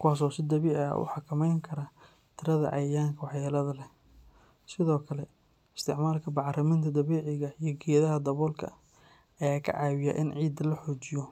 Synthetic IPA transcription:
kʰʊwaːs̬ɔːsɪd̪ɐβiːʕ̰ʔʊ̰ħɑkʰɐmɛjŋkʰɐɾɐ | t̪ʰɪɾɐðɐ̰ʔɐjjaːŋkʰɐwɑħjɛːlɐðɐlɛ | sɪðɔːkʰɐlɛ | ɪst̪ʰɪʕmaːlkʰɐbɑʕrɐmɪnt̪ʰɐd̪ɐβɛːʕɪɣɐijɞɡɛːðɐɦɐd̪ɐβɔːlkʰɐ̰ | ɛjkʰɐ̰ʕɑːwɪja̰ːʔɪnʕiːd̪ɐlɐħɔːt͡ʃɪjɔ

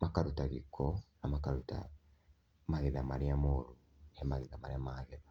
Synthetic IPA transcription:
makaɾutaɣikʰːonamakaɾuta̰ | maɣiðamaɾiamoɾu | emaɣiðamaɾiamaːɣeβa

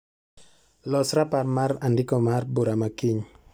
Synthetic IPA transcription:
lɔsɾaparmaɾandɪkɔmarbuɾamakiɲ

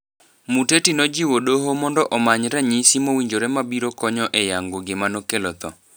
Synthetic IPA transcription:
mutetinɔd͡ʒiwodoɦomɔndɔʔɔmaɲɾɛɲisimowiɲd͡ʒoɾɛmabiɾokɔɲɔʔɛjaŋɡoɡɪmanokelɔt̪ɔ

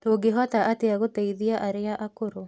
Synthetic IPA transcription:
toːɡeɦɔtaʔateaɣotɛiðiaʔaɾeaʔakoɾo

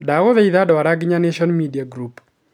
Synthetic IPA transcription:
daɣoðɛiðadɔaɾaɡɲaneʃɔnmidiaɡɾup

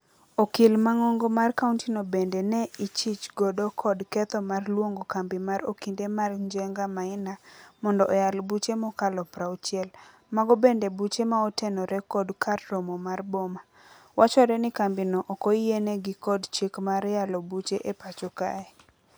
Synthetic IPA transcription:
okilmaŋɔŋɡomarkauntinobendenɛit͡ʃɪt͡ʃɡɔdɔkʰɔdkɛt̪ɔmarlwoŋɡokambimaɾokindemarɲd͡ʒɛŋɡamaɪnamɔndɔʔɔjalbut͡ʃemɔkalɔpɾaut͡ʃɪɛl | maɡɔbendebut͡ʃemaɔtenɔɾɛkɔdkʰarːɔmɔmarbɔma | wat͡ʃɔɾɛnɪkambinɔʔɔkɔienɛɡɪkɔdt͡ʃekmaɾjalɔbut͡ʃeʔepat͡ʃɔka̰ɛ

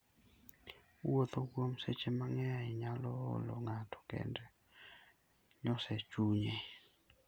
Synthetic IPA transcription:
wot̪okwomset͡ʃemaŋɛaɪɲalɔ̰lɔ̰ŋatʰɔ̥kɛ̰ndɛ | ɲɔsɛt͡ʃuɲe

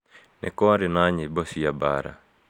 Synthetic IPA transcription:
nɛ̰kɔaɾɪnaɲɪbɔsiaba̰ɾa̰

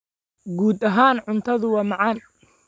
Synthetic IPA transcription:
ɡuːd̪ɐɦaːnʕʊnt̪ʰɐðʊwɑːmɑʕɑːn

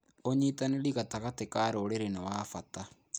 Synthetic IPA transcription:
oɲitaneliɣataɣatekaːɾoɾeɾenawaːfata

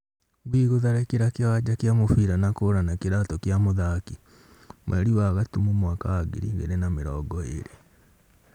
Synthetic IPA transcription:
ɣwiɣoðaɾɛkeɾakewaɟakjamofiɾanakoɾanakeɾatɔkjamoðaki | mwʔɛ̰ɾiwaɣatumumwakaaɡḛɾiɣḛɾenameɾɔːɡɔḛɾe

